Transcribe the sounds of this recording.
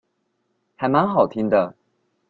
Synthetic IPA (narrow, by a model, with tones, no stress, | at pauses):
xa˨˥˦ɪma˧˥ŋxɑ˨˩ʊt̪ʰi˥ŋd̪ə˧